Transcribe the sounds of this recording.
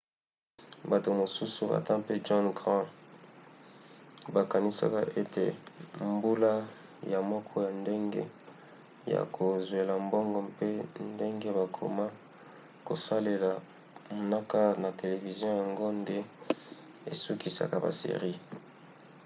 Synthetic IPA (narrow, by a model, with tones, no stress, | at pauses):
ba˨to˨mo˨su˦su˨ba̰˨tã˦pe˦d͡ʒɔ˦nɡʁã˦ | ba˨ka˨ni˦sa̰˦ka˦ʔe˦te˨mbu˦la˦ | ja˨mɔ˦kʰɔ˦ja˨nde˦ŋɡḛ˦ | ja̰˨kʰo˨zwe˨la˨mbɔ˦ŋɡɔ˨pe˦nde˦ŋɡe˦βa˨kʰo̰˨ma˦ | ko˨sa˦le˨la˨ | mo˨na˦ka˦na˨te˨le˨vi˨zjɔ̃˦ja˨ŋɡo˦nde˦ | ḛ˨su˦ki˨sa̰˨ka˦ba̰˨sḛ˨ʁi˦